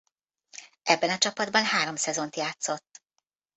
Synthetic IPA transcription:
ʔɛbːɛnɒt͡ʃɒpɒd̪̚bɒnɦaːɾo̞msɛzo̞nt̪jaːt̪so̞t̪ː

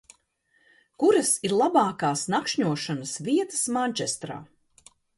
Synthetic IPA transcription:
kuɾɐsiɾlˠabɑːkaːsnakʃɲuɔʃanəsviɛt̪ə̥smanʲt͡ʃɛst̪ɾa̰ː

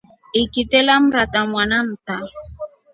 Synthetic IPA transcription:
ikitɛlam̩ɾatamwanam̩ta

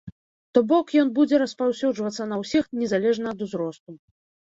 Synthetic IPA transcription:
t̪ɔbɔkjɔnbud͡zʲɛɾɐspawsʲud͡ʐvɐt̪sːɐnɐwsʲixnʲɛzalʲɛʐnɐːd̪uzɾɔst̪u

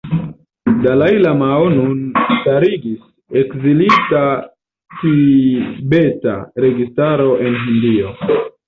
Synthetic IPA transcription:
dalajlamaonunstaɾiɡis | ekzilita | ti | be̞ta̰ɾe̞ɡistaɾo̞ʔe̞nɦindio

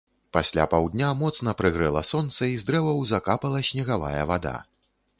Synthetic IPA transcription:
pasʲlʲa̰pawd̪ʲnʲamɔt̪sn̪ɐpɾɨɣɾɨlˠɐ̰sɔnt̪sɐizd̪ɾɛvɐwzakapɐlˠɐsʲnʲɛɣava̰jɐvad̪a̰

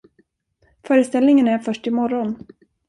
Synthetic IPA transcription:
fœːɾəst̪ɛlnɪŋənæɾfœʂʈɪmɔɾɔn

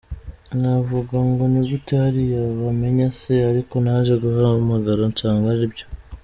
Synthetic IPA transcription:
navuɡaŋɡo̞niɡutahaɾijaβame̞ɲaseaɾiko̞naʒeɡuɦamaɡaɾoɲt͡ʃaːŋɡaɾibɟo

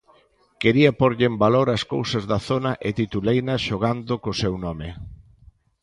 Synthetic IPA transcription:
keɾiɐpoɾʎɪembaloɾɐskowsɐzðɐθonɐʔɪt̪it̪ulejnɐʃoɣand̪ʊkosewnɔme

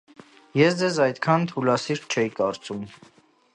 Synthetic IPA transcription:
jɛsd͡zɛzɑjt̪kʰɑnt̪ʰulɑsiɾt͡ʃʰɛjikɑɾt͡sum

